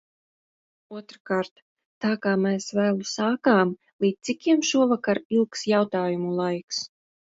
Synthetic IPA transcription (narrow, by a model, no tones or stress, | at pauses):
uɔt̪ɾakaːɾt̪ː | aːkaːmeːsvæːlˠusaːkaːm | lˠiːt̪ikʲiɛmʃuɔvakaɾilˠksjawt̪aːjumulˠajks